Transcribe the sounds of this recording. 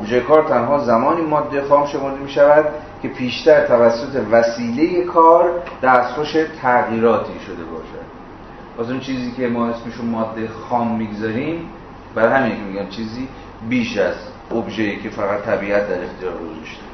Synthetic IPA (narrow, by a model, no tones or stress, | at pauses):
ʔobʒekɒːɾt̪ʰænɦɒːzæmɒːniːmɒːd̪ːexɒːmʃe̞mo̞ɾd̪emiːʃævæd̪̥ | cʲʰe̞pʰiːʃt̪æɾt̪ʰævæsːot̪ʰe̞væsiːle̞je̞kʰɒːɾd̪̥æːst̪xoʃe̞t̪ʰæɣiːɾɒːt̪ʰiːʃo̞d̪e̞bɒ̰ːʃæ̰d̪̥ | pɒsunt͡ʃʰiːziːkʰe̞mɒːhesmiʃunmɒːd̪ːexɒːmːiːɡzɒːɾiːm | bæɾɒjhæmiːnkʰʲemiɡænt͡ʃʰiːziː | biːʃæz | ʔobʒejiːcʰe̞fæɣæt̪ʰːæbiːʔæt̪̚d̪æɾext̪ʰijɒːɾɡozɒʃt̪e̥